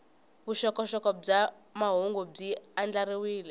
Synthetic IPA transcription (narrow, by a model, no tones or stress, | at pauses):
βuʃɔkɔʃɔkɔb͡ʐa | maɦuŋɡub͡ʐiand͡ɮaɾiwiːlɛ